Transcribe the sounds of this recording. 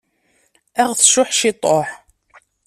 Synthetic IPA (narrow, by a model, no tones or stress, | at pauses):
æʁθʃʊħʃɪt̪ˤoħ